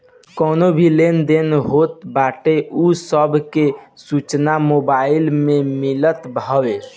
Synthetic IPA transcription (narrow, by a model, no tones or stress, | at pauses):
kɔːnobʱilend̪enɦot̪̚baʈeʔusəbʱkesut͡ʃnamobailmẽmilət̪bʱəwe